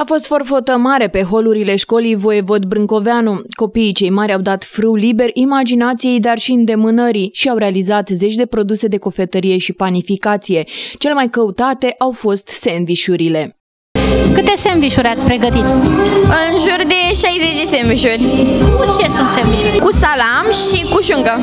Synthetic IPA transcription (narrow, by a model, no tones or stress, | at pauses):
afo̞st̪fo̞rfo̞t̪əmaɾe̞pe̞ɦo̞luɾile̞ʃko̞lijvo̞e̞vo̞t̪bɾɨŋko̞veanuko̞piːt͡ʃe̞jmaɾʲawd̪at̪fɾɨwlibe̞rʲʔimad͡ʒinat̪sijejd̪arʃiɨnd̪e̞mɨnəɾiʃiawɾe̞alizat̪ze̞t͡ʃʲd̪e̞pɾo̞d̪use̞d̪e̞ko̞fe̞t̪əɾije̞ʃipanifikat̪sije̞t͡ʃe̞lemajkəut̪at̪e̞ʔawfo̞st̪se̞nviʃuɾile̞ | kɨt̪e̞semviʃuɾʲat̪sʲpɾe̞ɡət̪it̪ɨnʒurd̪e̞ʃajzet͡ʃd̪esdemviʃurʲt͡ʃesunt̪semviʃuɾʲkusalamʃikuʒuŋɡə